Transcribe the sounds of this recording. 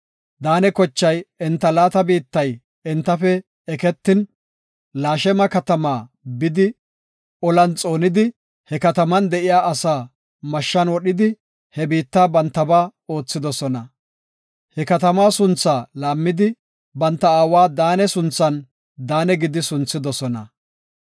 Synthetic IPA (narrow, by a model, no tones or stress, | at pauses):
d̪aːnɛkɔt͡ʃːɐjɪnt̪ːɐlaːt̪ɐbiːt̪ːɐj | ɛnt̪ːɐfɛ | ɛkɛt̪ːɪn | laːʃɛmɐkɐt̪ɐmaː | bɪd̪ɪ | ɔlɐnt͡sʼo̞ːnɪd̪ɪ | hɛkɐt̪ɐmɐnd̪ɛʔɪjaːʔɐsaː | mɐʃːɐnwɔɗɪd̪ɪ | hɛbiːt̪ːaːbɐnt̪ːɐbaːo̞ːt͡sːɪd̪ɔsɔnɐ | hɛkɐt̪ɐmaːsʊnt͡sːaːlaːmːɪd̪ɪ | bɐnt̪ːɐaːwaːd̪aːnɛsʊnt͡sːɐn | d̪aːnɛɡɪd̪ɪsʊnt͡sːɪd̪ɔsɔnɐ̰